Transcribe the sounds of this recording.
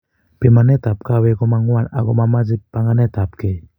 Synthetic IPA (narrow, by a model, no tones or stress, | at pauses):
pemanetap̚kawɛɡɔmaŋwana̰ɡɔmamazipːaŋanɛtap̚kej